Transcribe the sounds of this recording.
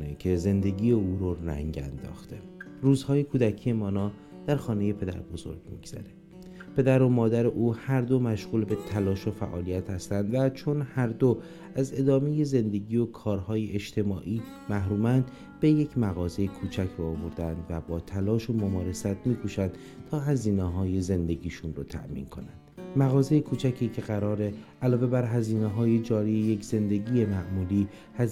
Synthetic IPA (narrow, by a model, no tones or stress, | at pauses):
necʰe̞ze̞nd̪e̞ɟiːeuːɾoræ̰ŋɟæ̰nd̪ɒ̰ːxt̪ʰe | ruːzhɒːjekʰuːd̪æcʰije̞mɒːnɒː | d̪̥æɾxɒːne̞je̞pʰe̞d̪æ̰ɾbo̞zo̞̰ɾɡ̥mḭɡz̥æ̰ɾe̞ | pʰe̞d̪æɾo̞mɒːd̪æɾe̞ʔuːhæɾd̪o̞mæʃɣuːlbe̞t̪ʰælɒːʃofæ̰ʔɒːlijæt̪hæst̪ænd̪væt͡ʃʰo̞nhæɾd̪o | æze̞d̪ɒːme̞je̞ze̞nd̪e̞ɟiːokʰɒːɾhɒːjeʔeʃt̪ʰe̞mɒːʔiː | mæɦɾuːmænd̪ | be̞je̞cʰmæɣɒːze̞jekʰuːt͡ʃʰæcʰɾoːvoɾd̪ænd̪væbɒːt̪ʰælɒːʃomomɒːɾe̞sæt̪̚ʰmiːkʰuːʃænd̪̥ | t̪ʰɒːɦæziːneɦɒːje̞ze̞nd̪e̞ɟiːʃunrot̪ʰæ̰ʔmḭːnkʰo̞̰nænd̪̥mæɣɒːzejekʰuːt͡ʃʰæcʰiːcʰe̞ɣæɾɒːɾe̞ʔælɒːve̞bæɾɦæziːneɦɒːje̞d͡ʒɒːɾijeje̞cʰz̥e̞nd̪e̞ɟiːje̞mæʔmuːliː | hæ